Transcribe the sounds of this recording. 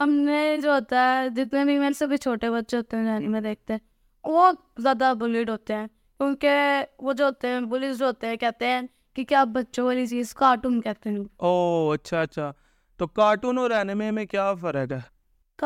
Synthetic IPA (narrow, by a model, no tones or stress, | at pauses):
ɦəmned͡ʒoɦot̪aɦɛd͡ʒɪt̪nẽːbʱimeːsəbʱit͡ʃʰoːʈebətːʃeɦoːt̪eɛ̃d͡ʒaːnimẽd̪eːk̚ʰt̪eɛ̃ | boː | zjaːd̪abʊliːʈɦoːt̪eɦɛ̃ː | kjũːkeʋoːd͡ʒoɦoːt̪eɦɛ̃bʊlɪsd͡ʒoɦːt̪eɦɛ̃kɛːt̪eɦɛ̃ː | kikjaːbətːʃõʋaːlit͡ʃiːzkaːʈuːnkɛːt̪eɦɛoːɐtːʃʰaɐtːʃʰaː | t̪oːkaːʈunoɾɛːnemẽmẽkjaːfəɾəɡɛː | k